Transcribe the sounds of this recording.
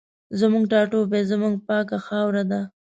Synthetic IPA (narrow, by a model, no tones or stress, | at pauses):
zəmuŋɡʈɑʈobezəmuŋɡ̚pɑkaxɑwɾad̪a